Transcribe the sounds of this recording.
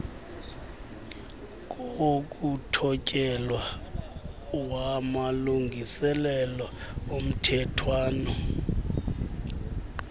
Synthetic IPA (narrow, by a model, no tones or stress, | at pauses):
k̬ʼokʼutʰɔcʼɛlwa | wamaluŋʱisɛlɛlaom̩tʰɛtʰwaːnɔ